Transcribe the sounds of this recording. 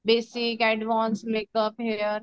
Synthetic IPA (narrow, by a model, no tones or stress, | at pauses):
beːsikɛɖʋãːnsleːkəpɦeɾ